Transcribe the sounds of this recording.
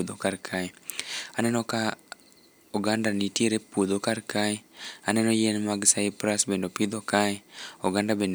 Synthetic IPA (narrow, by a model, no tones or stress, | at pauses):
ud̪okaɾkʰaɛanɛnɔka | uɡandanitjeɾepud̪okaɾkaɛanɛnɔjenmaɡsaipɾasbendopid̪ɔkaɛoɡandabend